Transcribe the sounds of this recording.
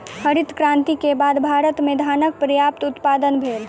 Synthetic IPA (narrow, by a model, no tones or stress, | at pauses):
həɾɪt̪kɾãnt̪ikebaːd̪bʱaːɾət̪med̪ʱaːnək̚pɾəjaːp̚t̪ʊt̪paːd̪ənbʱeːl